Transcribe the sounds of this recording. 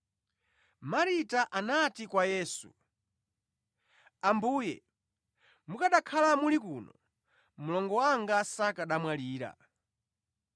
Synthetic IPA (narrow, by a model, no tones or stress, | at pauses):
maɾitaʔanatikwajɛːsṵ | ambuːjɛ̰ | mukaɗakʰalamulikuːnɔ̰ | mulɔŋɡɔwaŋɡasakaɗamwaliːɾa̰